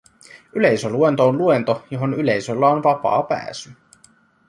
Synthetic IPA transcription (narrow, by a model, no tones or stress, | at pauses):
yle̞jsølue̞nt̪oːnluent̪ojo̞ɦo̞nyle̞jsø̞lːɑonʋɑpɑ̰ːpæ̰ːsy